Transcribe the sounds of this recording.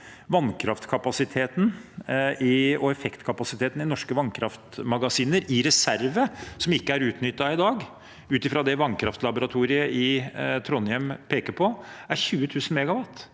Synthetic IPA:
ʋɑnkʰɾɑft̪kʰɑpɑsɪt̪ʰeːt̪n | ɪɔɛfɛkt̪kʰɑpɑsɪt̪ʰeːt̪ənɪnɔʂkəʋɑnkʰɾɑft̪mɑɡɑsiːnəɾɪɾɛsæɾʋəsɔmɪkːəæɾʉːt̪nʏt̪ːɑɪd̪ɑːɡ | ʉːt̪ɪfɾɑd̪ɛʋɑnkʰɾɑft̪lɑbʊɾɑt̪ʰuːɾɪəʔɪt̪ʰɾɔnjɛmpʰeːkəpʰɔæɾçʉːət̪ʰʉːsn̩mɛɡɑʋɑt̪ː

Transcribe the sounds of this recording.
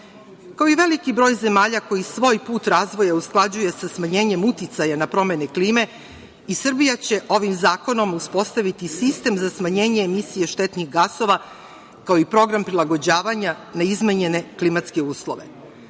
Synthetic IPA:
kaoiʋe̞likibɾo̞ːjze̞maːʎako̞jisʋo̞ːjpuːt̪ɾaːzʋo̞jausklˠad͡ʑuje̞sasmaɲe̞ːɲe̞mut̪it̪sajanapɾo̞me̞nekliːme̞ | isr̩bijat͡ɕe̞ʔo̞ʋimzaːko̞no̞muspo̞st̪aʋit̪isist̪e̞mzasmaɲe̞ːɲeːmisije̞ʃt̪e̞t̪niɣɡaso̞ʋa | kao̞ipɾo̞ɡɾampɾilˠaɡo̞d͡ʑaːʋaɲa | naizmeɲene̞klimat̪ske̞uːslˠo̞̰ʋe̞̰

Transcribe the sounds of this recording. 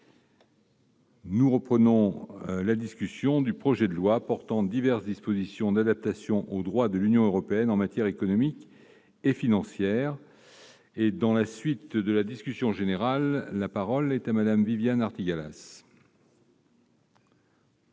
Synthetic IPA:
nuʁəpχənɔ̃lad̪iskʲysjɔ̃d̪ypχɔʒɛd̪əlwapɔʁt̪ɑ̃d̪ivɛʁsd̪ispozisjɔ̃d̪ad̪ap̚t̪asjɔ̃ʔod̪ʁwad̪əlynjɔ̃øʁɔpeɛnɑ̃mat̪jɛʁekɔnɔmik | efinɑ̃sjɛʁ | ed̪ɑ̃lasɥit̪d̪əlad̪iskʲysjɔ̃ʒeneʁalːapaʁɔlɛt̪amad̪amvivjanaʁt̪iɡala̰s

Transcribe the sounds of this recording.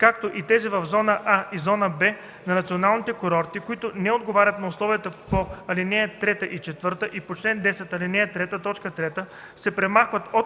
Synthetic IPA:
kak̚t̪oʔit̪ɛzɛvɐvzɔnəʔaizɔnəbɛ | nɐnɐt̪sionalˠnit̪ɛkoɾɔɾt̪ikoit̪ʊnɛod̪ɡovaɾʲɐt̪nɐʊslˠɔvijət̪əpoɐlinɛjət̪ɾɛt̪əʔit͡ʃɛt̪vɤɾt̪əʔipot͡ʃlɛnd̪ɛsɛt̪ɐlinɛjət̪ɾɛt̪ət̪ɔt͡ʃkət̪ɾɛt̪ə | sɛpɾɛmaxvət̪o

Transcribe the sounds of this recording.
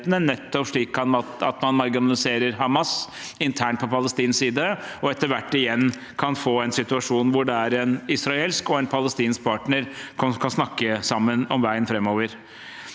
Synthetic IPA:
t̪ənənɛt̪ːɔpʂɭiːkːɑnɑɑ̰t̪mɑnmɑɾɡɪnɑlɪseːɾəɾɦɑmɑs | ɪnt̪ʰæːɳʈ̚pʰɔpʰɑləst̪iːnsiːd̪əɔɛt̪ːəɾʋæʈːɪjɛnː | kʰɑnfoːɛnsɪt̪ʉɑʂuːnʋʊɖɛæɾɛnɪsɾɑeːlskɔɛnpʰɑləst̪iːnsk̚pʰɑːʈɳəɾkʰɔkʰɑnsnɑkːəsɑmːənɔmʋæɪənfɾɛmːoːʋəɾ

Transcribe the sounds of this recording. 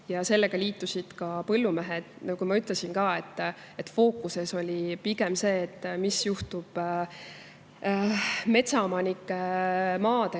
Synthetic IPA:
jɑse̞lːe̞ɡ̥ɑliːt̪ːˑusid̪̥kɑpɤlːumeɦed̪̥kujmɑyt̪lesinkɑːe̞t̪ˑː | e̞t̪ːˑfo̞ːkːˑuse̞so̞lʲipiɡe̞mse̞ːt̪ːmisjuht̪ub̥ | me̞t̪sɑomɑnikˑːemɑːd̪e

